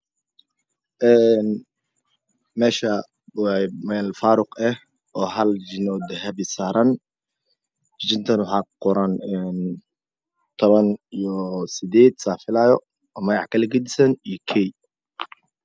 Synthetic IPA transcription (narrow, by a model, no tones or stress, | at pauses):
ʔɛːn | mɛːʃɐ | wmɛlfaːɾʊqɛh | ʔɔːɦɐld͡ʒɪnɔːd̪ɛɦɐbɪsaːɾɐn | d͡ʒɪnt̪ʰɐnwʊħɑːqʊɾanɛn | t̪ʰɔβɐnijɔsɪd̪ɛːd̪saːfɪlaːjɔ | ɔmɐɣɑħkʰɐlɐɡɐd̪ɪsɐnijɞkʰɛj